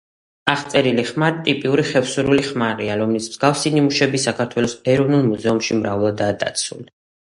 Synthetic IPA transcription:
aχt̪sʼɛɾiliχmaɾit̪ʼipʼiuɾiχɛfsuɾuliχmaɾiaɾɔmlismz̥ɡafsinimuʃɛbisakʰaɾt̪ʰwɛlˠɔsɛɾɔvnulˠmuzɛumʃimɾavlˠad̪aːd̪a̰t̪sʰṵli

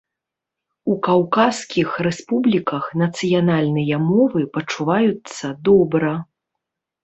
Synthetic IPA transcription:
ukawkaskʲixrɛspublʲikɐxn̪ɐt̪sɨjanalʲnɨjɐmɔvɨpɐt͡ʂːuvajut̪sːɐd̪ɔbɾɐ

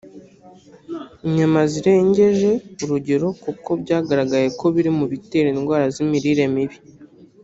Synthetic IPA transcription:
iɲamaziɾe̞ːɲɟe̞ʒe̞uɾuɟe̞ɾo̞kuko̞bɟaːɡaɾaɡaje̞ko̞βiɾimuβiteɾiːnɡwaːɾazimiɾiɾe̞miβi

